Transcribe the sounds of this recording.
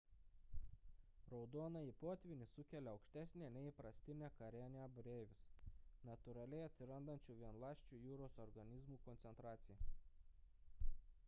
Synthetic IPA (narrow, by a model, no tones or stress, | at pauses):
ɾɒʊd̪oːnɐipoːt̪ʲʋʲɪnʲɪsʊkʲɛlʲɛɒʊkʃʲt̪ʲæːsʲnʲenʲɛɪpɾɐsʲt̪ʲɪnʲæːkɐɾʲæːnʲebʊɾʲeːʋʲɪsnɐt̪ʊɾɐlʲɛɪɐt̪ʲsʲɪɾɐnd̪ɐnʲt͡ʃʲuːʋʲiɛnlˠɑːʃʲt͡ʃʲuːjuːɾoːsɔɾɡɐnʲɪzmuːkɔnt̪sʲɛnt̪ɾɑːt̪sʲɪjɛ